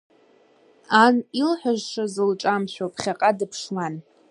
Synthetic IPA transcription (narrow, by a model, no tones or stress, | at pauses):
anilħʷᶣaʒʂazɨlʈ͡ʂʼamt͡ɕʷʰapʰχʲaqʼadɨpʰʂlan